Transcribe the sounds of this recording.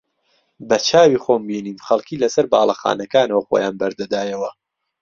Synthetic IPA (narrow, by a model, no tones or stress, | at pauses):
bɐt͡ʃʰaːwiχoːmbiniːnxɐlˠkiːlɐsɐɾbɑːlˠɐxa̰ːnɐkaːnɐwɐχoːjaːnbɐɾd̪ɐd̪aːjɐwɐ